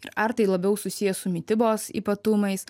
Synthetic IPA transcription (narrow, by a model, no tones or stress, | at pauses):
ɪɾɐɾt̪ɐɪlˠɐbʲɛʊsʊsʲɪjɛsʊmʲɪt̪ʲɪboːsḭːpɐt̪ʊmɐɪs